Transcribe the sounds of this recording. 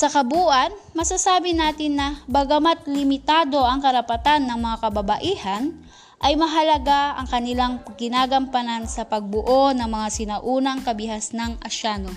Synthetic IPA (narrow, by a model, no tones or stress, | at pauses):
sɐkɐbuːʔɐnmɐsasaːbɪnaːt̪ɪnːɐbɐɡɐmat̪̚lɪmɪt̪aːd̪o̞ʔɐŋkɐɾɐpɐt̪anːɐŋmɐŋakɐbɐbɐʔiːhɐn | ʔɐjmɐɦɐlɐɡaɐ̰ŋkɐnɪlaŋɡɪnaːɡɐmpɐnansɐpɐɡ̚bʊʔonɐŋmɐŋasɪnɐʔuːnɐŋkɐbɪhasnɐŋʔɐʃaːno